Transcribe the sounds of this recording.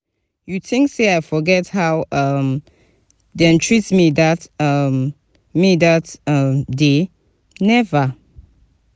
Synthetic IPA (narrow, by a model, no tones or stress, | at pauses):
juθɪ̃ŋkseaɪfɔɡɛthaʊʌm | dẽntʰɹitmidatʌm | midatʌmde | nɛvə